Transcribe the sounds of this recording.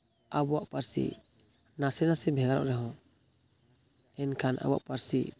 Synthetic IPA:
abuaʔpaɾsḭ | nasɛnasɛbʱɛɡaɾɔ̰ʔɾɛɦɔ̃ | ɛnkʰana̰buwa̰ʔpaɾsḭʔ

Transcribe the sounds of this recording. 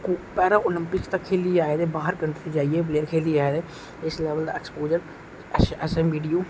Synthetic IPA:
kːpɛːɾãːʔolɪmpɪkt̪əkʰːeːliːaːeːd̪eːbaːɦəɾkəɳʈt̪ed͡ʒaːieːbleːɾkʰeːliːaːeːd̪eː | ɪslɛːʋəld̪a̰ːɛkspoːd͡ʒəɾ | ɛsɛ̃mʋiːɖijoː

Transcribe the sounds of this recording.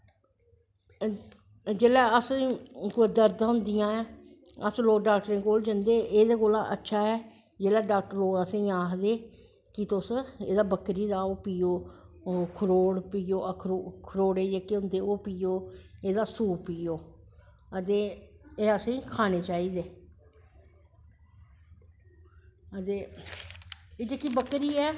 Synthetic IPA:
d͡ʒeːlɛːəskʊd̪əɾd̪ɦʊnd̪ɪjãːɛː | əsloːkɖaːk̚ʈəɾẽːkoːld͡ʒənd̪eːʔeːd̪eːkoːla̰ːʔətːʃʰaːɛː | d͡ʒeːlɛːɖaːk̚ʈəɾloːkəsẽĩːaːkd̪eː | kɪt̪ʊseːd̪aːbəkɾiːd̪aːoːpiːoː | kʰəɾoːɽpiːoːʔəkʰɾkʰəɾoːɽeːd͡ʒeːkeʊ̃nd̪eːoːpiːjoːeːd̪aːsuːpiːoː | ət̪eːeːəsẽĩːkʰaːneːt͡ʃaːiːd̪eː | ət̪eː | eːd͡ʒekːibəkːɾiːɛː

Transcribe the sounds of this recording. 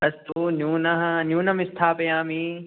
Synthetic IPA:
ɐst̪uːnjuːnɐɦnjuːnɐmɪst̪ʰaːpɐjãːmiː

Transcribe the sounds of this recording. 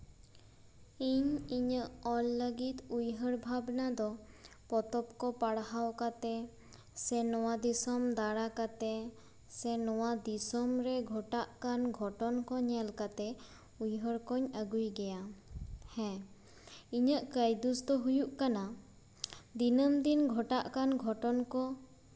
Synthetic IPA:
iɲiɲəʔɔlːəɡit̪ujɦəɽbʱabnad̪ɔ | pɔt̪ɔp̚kɔpaɽɦawkat̪ɛ | sɛnɔwad̪isɔmd̪aɽakat̪ɛ | sɛnɔwad̪isɔmɾɛɡʱɔʈaʔkanɡʱɔʈɔnkɔɲɛlkat̪ɛ | ujɦəɽkɔɲəɡujɡɛjahɛ̃ | iɲəʔkəjd̪usd̪ɔɦujuʔkana | d̪inəmd̪inɡʱɔʈaʔkanɡʱɔʈɔnkɔ

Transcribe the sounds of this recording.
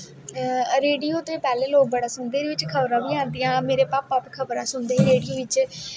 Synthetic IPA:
ɾeːɖijoːt̪eːpɛːleːloːk̚bəɽaːsʊnd̪eːdʋɪt͡ʃkʰəbɾãːʋiːãːnd̪ijãːmeːɾeːpaːpəpkʰəbɾãːsʊnd̪eːɾeːɖijoːʋɪt͡ʃ

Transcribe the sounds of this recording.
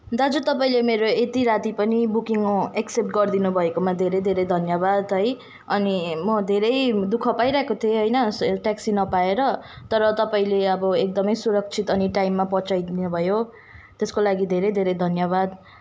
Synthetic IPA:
d̪ad͡zut̪ʌpaĩlemeɾoet̪iɾat̪ipʌnibukiŋeksep̚ʈɡʌrd̪inubʱʌekomad̪ʱeɾʌjd̪ʱeɾʌjd̪ʱʌnjʌbad̪ɦʌj | ʌnimʌd̪ʱeɾʌjd̪ukʰʌpajɾaɦekot̪ʰieɦʌjnʌʈaksinʌpaeɾʌt̪ʌɾʌt̪ʌpaĩleʌbʌek̚d̪ʌmʌjsuɾʌk̚t͡sʰit̪ʌniʈajmːapʌt͡sajd̪inubʱʌjo | t̪eskolaɡid̪ʱeɾʌjd̪ʱeɾʌjd̪ʱʌnjʌβad̪

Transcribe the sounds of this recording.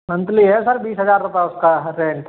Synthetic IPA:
mɐ̃nt̪liɦɛsɐɾbiːsɦɐzaːɾɾʊpɛʊskaɾẽːɳʈ

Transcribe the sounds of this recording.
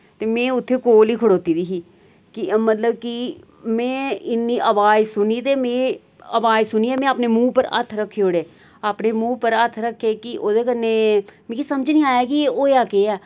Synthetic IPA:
t̪eːmẽːʊt̪ʰːeːkoːliːkʰʊɽoːt̪iːd̪iːɦiː | kɪmət̪ləb̚kɪ | mɛ̃ːɪnːiːʔəʋaːd͡ʒsʊniːt̪eːmẽː | əʋaːd͡ʒsʊniːɛːmɛ̃ːaːpneːmũːpəɾə̰t̪ʰɾəkʰːeːoːɽeː | aːpneːmũːpəɾət̪ʰːɾəkʰːeːkɪʔoːd̪eːkənːeːmẽkisəməd͡ʒniːaːjaːkieoːjaːkeːɛː

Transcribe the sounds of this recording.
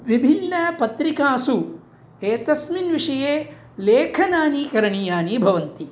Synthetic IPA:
ʋibʱinːɐpɐt̪ɾikaːsu | eːt̪ɐsminʋiʂɐjeː | leːkʰɐnaːnikɐɾɐɳijaːnibʱɐʋɐnt̪i

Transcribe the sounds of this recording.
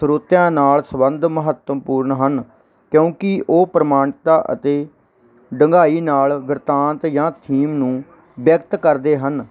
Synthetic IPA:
sɾoːt̪jãːnaːlsəbənd̪məɦət̪ːəmpuːɾɳɦən | kjõːkɪʔoːpɾəmaːɳt̪aːʔə̰t̪eː | ɖəŋɡaːiːnaːlʋɪɾt̪ãːnt̪jãːt̪ʰiːmnũː | bjəkt̪kəɾd̪eːɦən

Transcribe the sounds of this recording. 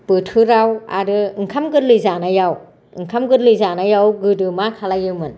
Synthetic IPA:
pɯtʰɯɾawa̰ɾɯɯŋkʰamɡɯdlɯjzanajaw | ɯŋkʰamɡɯdlɯjzanajawɡɯdɯmakʰalajɯmɯn

